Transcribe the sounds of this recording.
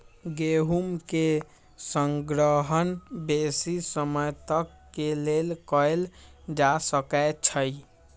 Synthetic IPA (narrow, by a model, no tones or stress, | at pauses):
ɡeɦumke | səŋɡɾəɦənbesisəməjt̪əkːelelkəeld͡ʒasəkət͡ʃʰəj